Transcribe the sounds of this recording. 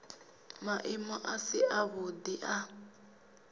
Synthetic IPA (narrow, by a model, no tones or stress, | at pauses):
maʔɪmɔʔasɪʔaβʊdiʔa